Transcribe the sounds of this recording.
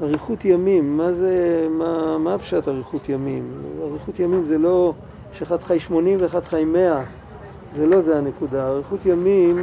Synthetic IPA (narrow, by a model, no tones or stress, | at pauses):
aʁiχutjamimːazemamaapʃataʁiχut̪jamimaʁiχutjamimzelo̞ | ʃeχadχajʃmo̞nimveχadχajme̞a | zelo̞zeanekudaaʁiχutjamim